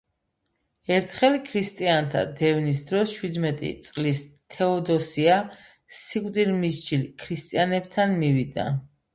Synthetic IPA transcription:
ɛɾt̪ʰχɛlkʰɾist̪ʼiant̪ʰa̰d̪ɛvnisd̪ɾɔst͡ʃʰwid̪mɛt̪ʼḭt̪sʼqʼlist̪ʰɛɔd̪ɔsia | sikʼwd̪ilmisd͡ʒilkʰɾist̪ʼianɛbt̪ʰanmivid̪a̰

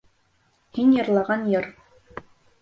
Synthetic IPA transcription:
hinjɤ̆ɾlˠɑʁɑnjɤɾ

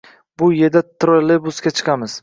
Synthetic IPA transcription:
bʊje̞d̪at̪ʰɾolebʊsɡʲat͡ʃʰɨ̥qʰɑmɪz̥

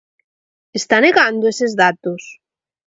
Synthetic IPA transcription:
est̪aneɣand̪oesezðat̪os

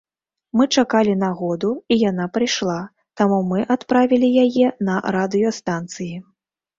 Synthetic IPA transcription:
mɨt͡ʂakalʲinaɣɔd̪uijanapɾɨjʂlˠa | t̪amumɨʔat̪pɾavʲilʲijajɛnɐɾad̪ɨjɔst̪ant̪sɨji

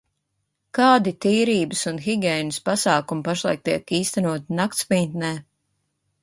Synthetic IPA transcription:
kaːd̪it̪iːɾiːbɨsunxiɡʲɛjnɨspasaːkumpaʃlˠa̰jk̚t̪iɛkiːst̪ɛnuɔt̪inakt̪spint̪nɛː

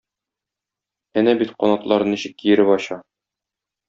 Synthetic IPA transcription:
ænæbit̪qɒnɑt̪lˠɑɾɤniɕɘ̆kːijɘ̆ɾɘpɒɕɑ

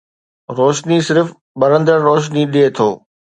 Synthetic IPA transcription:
ɾoːʃnisɪɾf | ɓɐɾə̃nd̪əɾːoːʃ̬niɗiet̪ʰoː

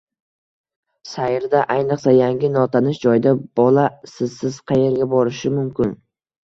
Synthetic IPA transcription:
sajɾd̪aʔajnɨqsajaŋɡʲɪnɒt̪ʰanɪʃd͡ʒɒjd̪ab̥ɒlˠasɪzsɪz̥qʰɑje̞ɾɡʲabɒɾɪʃɪmʊmkʲɪn

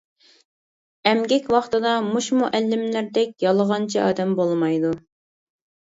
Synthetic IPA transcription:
ɛmɡʲɛkʲwɑχt̪ɨd̪ɑmuʃmuʔɛlːɪmlæɾd̪ɛk̚ʲjɑlˠəʁɑnt͡ʃʰiɑ̰ːd̪ɛmbolˠmɑjd̪u

